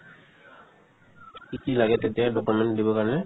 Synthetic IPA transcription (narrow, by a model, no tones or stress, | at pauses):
kikilaɡet̪ed̪eaɖɔkuɾmeɳʈd̪ibokaɾne